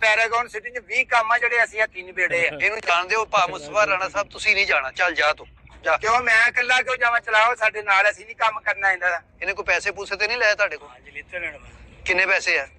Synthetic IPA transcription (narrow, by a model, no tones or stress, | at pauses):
pɛːɾeːɡɔːnsɪʈĩt͡ʃʋiːkəmãːd͡ʒeːɽeːəsĩːɛ̃ːt̪ɪnbeːɽeːɛːeːnũːt͡ʃaːnd̪eːoːpaːmʊsəpaːɾaːnaːsaːb̚t̪ʊsĩːnĩːd͡ʒaːɽaːt͡ʃəld͡ʒaːt̪õːd͡ʒaːkõːmɛ̃ːkəlːaːkeõːd͡ʒaːʋãːt͡ʃəlaːoːsaːɖeːnaːləsĩːnĩːkəmkəɾnaːɦẽnd̪aːãːɪnẽːkoipɛːseːp̬usʰeːt̪eːnĩːlɛːeːt̪ʊaːɖeːkoːit̪ːnɛnːaːkɪnːẽːpɛːseːɛː